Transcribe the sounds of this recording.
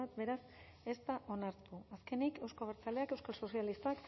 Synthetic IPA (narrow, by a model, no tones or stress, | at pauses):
at̪be̞ɾas | e̞st̪aʔo̞naɾt̪uaske̞nike̞wsko̞βeɾt͡saleake̞wskalso̞sjalist̪ak